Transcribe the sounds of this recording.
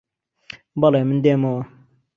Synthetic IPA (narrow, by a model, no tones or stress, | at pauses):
mbalajmənd̪emo